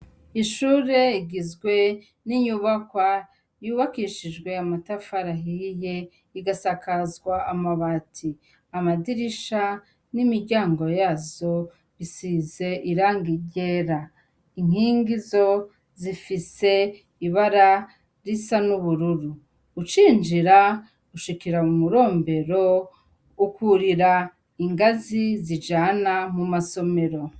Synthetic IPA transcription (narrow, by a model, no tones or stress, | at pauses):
iʃuːɾe̞iɡizɡwe̞ | niɲuːβakwa | juːβakiːʃid͡ʒɡwe̞amatafaɾaɦije̞ | iɡasakazɡwaːmaβatʰi | amadiɾiʃa | nimiɾɟaːŋɡo̞jaːzo̞ | βisize̞ʔiɾaːŋɡiɟeɾa | iŋ̥hiːŋɡizo̞ | zifise̞ | iβaɾa | ɾisanuβuɾuɾuː | t͡ʃiːnd͡ʒiɾa | uʃikiɾaumuɾo̞ːmbe̞ɾo̞ | ukuɾiɾa | iŋɡazizid͡ʒaːnamumaso̞me̞ɾo̞